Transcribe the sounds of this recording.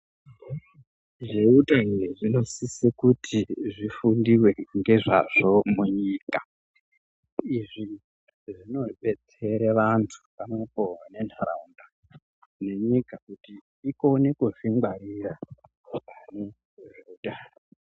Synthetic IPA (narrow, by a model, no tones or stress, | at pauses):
ʐeutʼaɦiɾiʐino̞sisekutʰiʐifundiwe̞ŋɡe̞ʐa̰ʐ̥omuɲiːka | iʐi | ʐino̞ɓet͡se̞ɾeʋantʰu̥pano̞pʼowane̞nara̰unda | ne̞ɲikakutiː | konekoʐiŋɡwaɾira | kane | ʐeutʼaːr